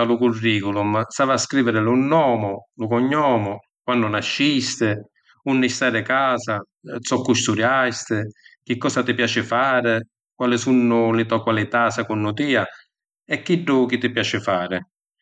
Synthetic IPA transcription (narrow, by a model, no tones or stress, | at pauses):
alʊkurːiːkʊlʊmst̪aːvaskɾiːvɪɾɪlʊnːɔːmʊlʊkɔɲːɔːmʊ | kwanːʊnaʃːist̪ɪ | unːɪst̪aːɾɪkaːsa | sɔkːust̪uɾjast̪ɪk̟ikːɔːsat̪ɪpjaːt͡ʃɪfaːɾɪ | kwalɪsunːʊlɪt̪ɔkwalɪt̪asakunːʊt̪iːa | ɛkːiɖːɔkit̪ːɪpjaːt͡ʃɪfaːɾɪ